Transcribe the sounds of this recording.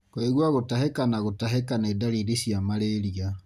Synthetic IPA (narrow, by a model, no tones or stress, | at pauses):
koiɣwaɣotaɦekanaɣotaɦekaneːdaɾidisiamaɾeɾia